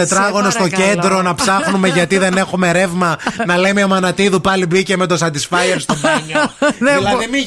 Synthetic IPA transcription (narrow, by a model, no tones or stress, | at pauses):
et̪ɾɐɣo̞nost̪o̞cend̪ɾo̞nɐpsɐxnume̞ʝɐt̪iðe̞ne̞xume̞ɾe̞vmɐnɐlemeomɐnɐt̪iðupɐlibice̞me̞t̪o̞sɐt̪d̪isfɐjeɾst̪obɐɲolɐemi